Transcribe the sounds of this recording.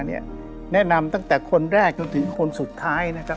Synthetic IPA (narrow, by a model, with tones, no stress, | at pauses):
ni˥˩ɐ | nɛ˦˥na˧mt̪a˥˩ŋt̪ɛː˨˩kʰo˧nɾɛː˥˩k̚t͡ɕo˧nt̪ʰɯ˩˦ŋkʰo˧nsu˨˩t̪ʰːaː˦˥jna˦˥kʰa˦˥